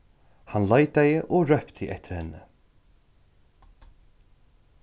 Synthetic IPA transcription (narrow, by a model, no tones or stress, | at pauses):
hanlaːjt̪ajəʔɔɾœpt̪ʰɪʔɛ̰ht̪ʰɪ̥ɾhɛnːə